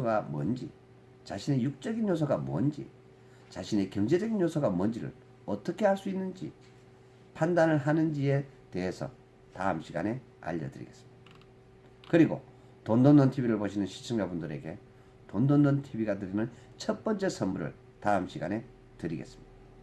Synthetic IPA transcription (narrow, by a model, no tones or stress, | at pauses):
ɡamwʌnd͡ʑḭ | t͡ɕaɕʰine̞juk̚t͡ɕ͈ʌɡinjosʰʌɡamoʌnd͡ʑḭ | t͡ɕaɕʰine̞kjʌŋd͡ʑe̞d͡ʑʌɡinjosʰʌɡamwʌnd͡ʑiɾɯ̰ɭ | ʌt͈ʌkʰe̞haɭs͈uinːɯnd͡ʑḭ | pʰandanɯɭɦanɯnd͡ʑie̞ | te̞esʰʌ̰ | ta̰ɯmɕʰiɡa̰ne̞ | a̰ʎːʌdɯɾḭɡe̞s͈ɯ̥mida | kɯɾiɡo̰ | tondondontʰibiɾɯɭboɕʰinɯnɕʰi̥t͡ɕʰɯŋd͡ʑabundɯɾe̞ɡe̞ | tondondontʰibiɡatɯɾinɯnt͡ɕʰʌt̚p͈ʌnt͡ɕ͈e̞sʰʌmbuɾɯ̰ɭ | taɯmɕʰiɡane̞ | tɯɾiɡe̞s͈ɯ̥mɲid̥a